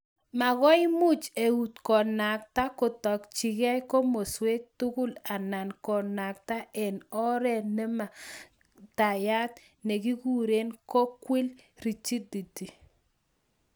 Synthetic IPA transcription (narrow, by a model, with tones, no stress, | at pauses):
ma˨ɣɔ˦ɪ˦mʊ˦t͡ʃe˨u˨tkɔ˨na˨k̚ta˦kɔ˨tɔ˨kt͡ʃi˨ɣɛ˦jkɔ˦mo˨swe˦tu˦kʊ˦la˨na˨nkɔ˨na˨k̚ta˦ɛ˨nɔ˦ɾɛ˦˨nɛ˦ma˨ | ta˨ja˦t | nɛ˨ki˦ku˦ɾe˦nkɔ˦kwi˦lɾi˨t͡ʃi˦di˨ti˨